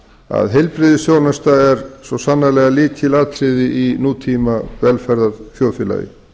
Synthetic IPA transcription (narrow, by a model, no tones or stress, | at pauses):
a̰ðɦɛjlpɾɪðɪsjoːwnast̪aɛɾsvɔsanːalɛɣaliːcʰɪlaːt̪ʰɾɪðɪʔinuːt̪ʰimavɛlfɛɾðaɾfjɔːlfjɪla̰ːjɪ̰